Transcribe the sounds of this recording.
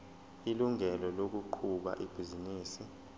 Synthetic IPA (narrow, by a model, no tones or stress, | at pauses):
iluŋɛlɔlok̬uǃʰuɓa̰ʔib̥ʱiziniːsi